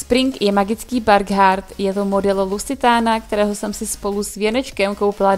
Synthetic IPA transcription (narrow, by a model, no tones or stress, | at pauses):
spɾɪŋkjɛmaɡɪt͡skiːbaɾɡɦaɾt̪jɛt̪o̞mo̞dɛllusɪt̪aːnakt̪ɛɾɛːɦosɛmsɪspo̞lusvjɛnɛt͡ʃkɛmkowpɪla